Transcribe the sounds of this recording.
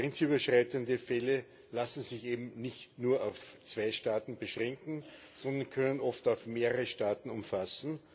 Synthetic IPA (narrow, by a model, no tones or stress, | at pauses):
ʁɛnt͡syːbɐʃʁ̥aɪtəndəfɛlə | lasn̩zɪçeːbm̩nɪçtnuːɐaʊft͡sv̥aɪʃtaːtn̩b̥əʃʁɛŋkŋ̩ | sɔndɐnkʰœnənʔɔftɑʊfmeːʁəʁəʃtaːtn̩ʊmfasn̩